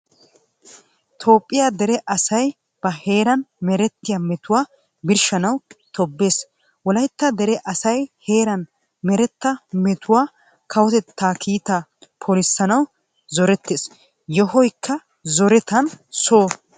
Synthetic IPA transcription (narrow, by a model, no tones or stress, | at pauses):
t̪ʰo̞ːpʼːɪjaːd̪ɛɾɛʔɐsɐj | b̥ɐhe̞ːɾɐnmɛɾɛt̪ːɪjɐmɛt̪ʊwaː | bɪɾʃɐnɐwt̪ɔbːe̞ːs | wɔlɐjt̪ːɐd̪ɛɾɛʔɐsɐjhe̞ːɾɐn | mɛɾɛt̪ːɐmɛt̪ʊwaː | kʰɐwɔt̪ɛt̪ːaːkʰiːt̪apʰɔlɪsːɐnɐw | zɔɾɛt̪ːeːs | jɔɦɔjkʰːɐ | zɔɾɛt̪ɐnsoː